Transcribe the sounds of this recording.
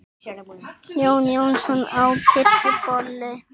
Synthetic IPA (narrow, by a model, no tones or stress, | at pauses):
ewnionsonawkeepoɾːe